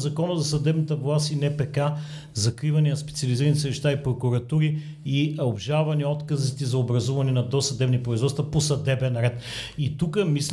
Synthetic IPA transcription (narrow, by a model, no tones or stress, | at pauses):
zɐkɔnəzɐsɐd̪ɛbnət̪əvlˠasinɛpɛka | zɐkɾivɐniɐspɛt̪sʲiɐliziɾənisəvɛʃt̪aipɾokuɾɐt̪uɾi | iobʒavɐniɔt̪kɐzit̪izɐobɾɐzuvɐnɛnɐd̪ɔsɐd̪ɛbnipɾoizvɔt̪t̪vɐposɐd̪ɛbɛnɾɛt̪it̪ukəmis